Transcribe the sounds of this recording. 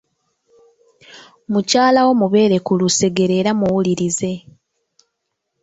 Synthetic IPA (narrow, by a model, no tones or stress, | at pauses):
mucaːlawo̞muβe̞ːɾe̞kuluse̞ɡe̞ɾe̞ːɾamuwuliɾize̞